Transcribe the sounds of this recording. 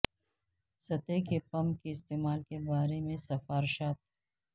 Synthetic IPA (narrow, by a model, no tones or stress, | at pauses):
sɐt̪ekepɐ̃mkiɪst̪eːmaːlkebaːɾemẽsɐfaːɾʃaːt̪̚